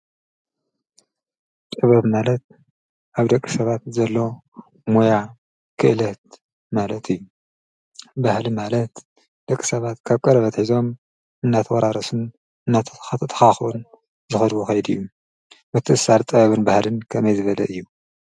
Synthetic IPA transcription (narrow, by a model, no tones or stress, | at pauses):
t̪ʼɨβɐβmalɐt̪̚ | ʔaβd̪ɐkʼːi̥sɐβat̪zɐlːo̞ | moja | kʰɨʔɨlɐt̪̚ | malɐt̪ʰɨjːu | bahlimalɐt̪ | d̪̥ɐkʼːisɐβat̪kʰaβkʼɐɾɐβɐt̪ħizo̞m | ɨnːat̪ʰɐwɐɾaɾɐsun | ɨnːat̪ʰt̪ʰt̪ʰɐ̥xaxʔun | zɨxɐd̪wuxɐjd̪ɨ̰jːu | mɨt̪ʰːɨʔɨsaɾt̪ʼɨβɐβɨnbahlɨnkʰɐmɐjzɨβɐlɐʔɨjːu